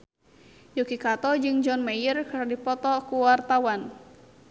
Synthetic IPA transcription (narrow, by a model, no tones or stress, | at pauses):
jokikat̪ɔd͡ʒɨŋd͡ʒɔnmejərkardipɔt̪ɔkuwart̪awan